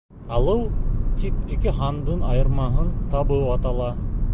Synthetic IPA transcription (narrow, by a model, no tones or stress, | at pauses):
ɑlˠɯwt̪ipikiɦɑnd̪ɯnɑjɤ̆ɾmɑɦɯnt̪ɑbɯɑt̪ɑlˠɑ